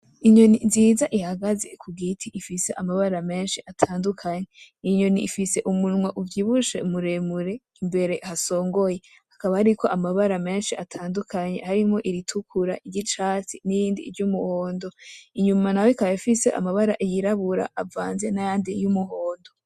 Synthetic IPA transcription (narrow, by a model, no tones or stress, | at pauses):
iɲo̞ninziːzaʔihaɡaze̞̰kʰuɡitʰiʔifise̞ʔamaβaɾame̞ːnʃiʔatʰaːndukʰaɲe | iɲo̞niifise̞ʔumunŋwaʔuvɟiβuʃe̞muɾe̞muɾe̞ | imbe̞ɾe̞haso̞ːŋɡo̞je̞ | hakaβahaɾikʰo̞ʔamaβaɾame̞ːnʃiatʰaːndukʰaɲe̞̰haɾimo̞ʔiɾitʰukʰuɾa̰ʔiɟit͡ʃaːt͡sinijiːndḭːɾɟumuhoːndo̞iɲumanajoikajafise̞ʔa̰maβaɾaʔijiɾaβuɾa̰ʔavaːnze̞najaːndijumuhoːndo̞